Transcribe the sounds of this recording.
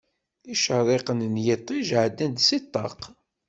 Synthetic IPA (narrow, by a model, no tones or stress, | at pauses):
iʃəɾˤeqənnjɪt̪ˤːiʒʕd̪ːænd̪sit̪ˤːɑ̰q